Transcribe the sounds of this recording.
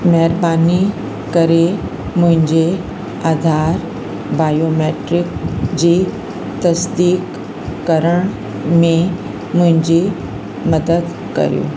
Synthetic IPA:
mɛɦɪɾbaːni | kɐɾe | mʊ̃ɦɪ̃ɲd͡ʑe | aːd̪ʱaːɾ | baːjoːmeːʈɾɪkd͡ʑiː | t̪ɐsd̪iːkː | ɐɾəɽ̃ | mẽ | mʊ̃ɦɪ̃ɲd͡ʑi | mɐd̪əd̪ | kɐ̰ɾḭjo̰ː

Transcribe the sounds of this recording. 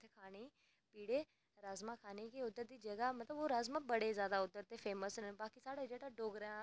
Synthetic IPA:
t̪ʰekʰaːneː | piːɽeː | ɾaːzmãːkʰaːneːkeːʊd̪ːəɾd̪iːd͡ʒəɡaːmət̪ləboːɾaːzmãːbəɽeːzjaːd̪aːʊd̪əɾt̪eːpʰeːməsbaːkisaːɽad͡ʒeːɽaːɖoːɡɾãː

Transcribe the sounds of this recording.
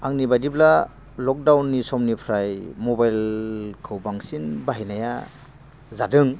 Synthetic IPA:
aŋnibajdipla | lɔk̚dawnːisɔmnipʰɾajmɔbajlkʰɯwbaŋsinbaɦinaja | zadɯŋ

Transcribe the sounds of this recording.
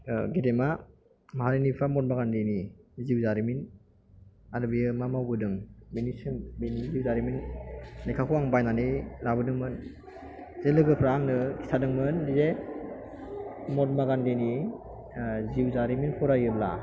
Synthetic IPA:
ɡidema | maɦaɾinipʰamɔt̚maɡandeniziwzaɾimin | aɾɯbijɯmamawbɯdɯŋbinisɯmbiniziwzaɾiminlekʰakʰuaŋbajnanilabɯdɯŋmɯn | zelɯɡɯpʰɾaŋnɯkʰi̥sʰadɯŋmɯnːize | mɔt̚maɡandeni | ziwzaɾiminpʰɔɾajɯbla̰

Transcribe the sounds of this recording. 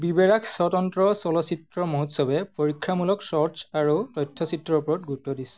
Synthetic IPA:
bibɛɹakʰsɔtɔntɹɔsɔlɔsitɹɔmɔɦutsɔbɛpoɹikʰːamulɔksɔsaɹutɔjtʰːɔsitːɹɔpɔɹɔt̚ɡutɔdisɛ̥

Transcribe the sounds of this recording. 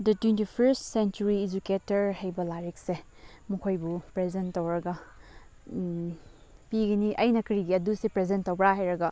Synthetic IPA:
dɐtwentipʰɐɾstsent͡ʃuɾiːd͡ʒuketɐɾhɐjbɐlaɾek̚se | mukʰojbupɾezentːowɾɐɡɐ | piɡɐniʔɐjnɐkɾiɡiɐdusepɾezentːowbɾaɦajɾɐɡɐ

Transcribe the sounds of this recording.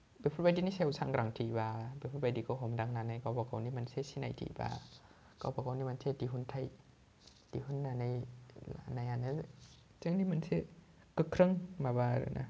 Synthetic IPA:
bepʰubadiːniːsewsʰaŋkɾaŋt̪ʰiːbaːbepʰubadikɔɦomdaŋnanajkawpakawniːmansesina̰jtʰḭːba̰ː | ka̰wpakawniːmansʰetiɦunt̪ʰaj | tihunːanajlanajana | t͡ɕɯŋniːmanse | kɯkʰɾɯŋmaːbaːɾɯ̰nʔa̰

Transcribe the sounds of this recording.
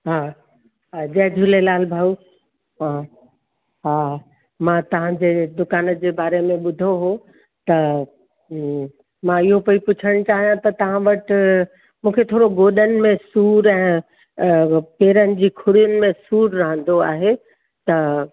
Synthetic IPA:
ɦaː | ɦad͡ʑɐɦd͡ʑʱʊlelaːlbʱaːu | ɦãː | ɦaː | mãt̪ɐʋ̤ãd͡ʑeːd̪ʊkaːnəd͡ʑeːbaːɾemẽɓʊd̪ʱoɦo | t̪ɐ | mãɪɦopɐipʊt͡ɕʰəɽ̃t͡ɕaːɦijãt̪ɐt̪ɐʋ̤ãʋɐʈ | mũːkʰet̪ʰoːɾoɡoːɗənɪ̆mẽsuːɾɛ̃ː | peːɾənɪ̆d͡ʑiːkʰʊɽijənɪ̆mẽsuːɾɾɐɦə̃nd̪oa̰ːɦe | t̪ɐ

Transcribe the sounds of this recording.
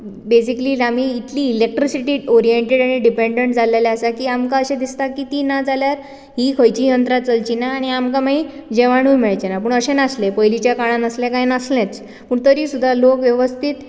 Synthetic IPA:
bes̬ikliːam̤iːt̪liːlek̚ʈɾisiʈiːoɾijeɳʈeɽaɽ̃iɖipeɳɖeɳʈ̚d͡zʱaleleəsakiːamkaəɕẽd̪ist̪akit̪iːnad͡zaljaɾ | ɦikʰəjt͡ɕijənt̪ɾat̪t͡səlt͡ɕinaːɽ̃iamkamaɦid͡ʑeʋaɽ̃uːjmeɭt͡ɕenapəɳəɕenaslepəjlit͡ɕjakaɽ̃ãnəslẽkajnəslẽt͡s | pəːɳt̪əɾiːsud̪ʱːalokʋjəʋəst̪ʰiːt̪

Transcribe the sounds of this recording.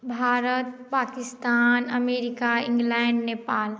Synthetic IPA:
bʱaɾət̪pakist̪anəmeɾikaĩŋɡlɛɳɖnepaːl

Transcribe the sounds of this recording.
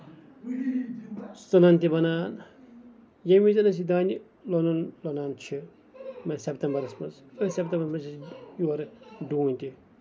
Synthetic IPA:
sɐnant̪ibɐnaːn | jemizɐnɐs̬id̪aːnʲi | lonɐnlonaːnt͡ʃʰi | mɐsept̪ʲɐmbɐɾɐsmɐ̰nzɐsep̚t̪ɐmbɐɾmɐsʰisjuɐɾɖuːnʲt̪i

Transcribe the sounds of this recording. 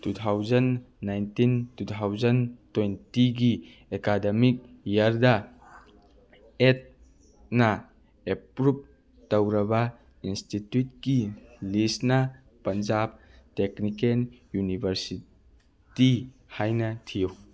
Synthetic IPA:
tutʰawd͡ʒɐnːajntintutʰawzɐntojntiɡi | ekademik̚jɐɾdɐ | et̚ | nɐ | epɾup̚ | tɐwɾɐbɐ | institjut̚kilisnɐ | pɐnd͡ʒab̚teknikenjunibʱɐɾsi | ti | hajnɐtʰijɐw

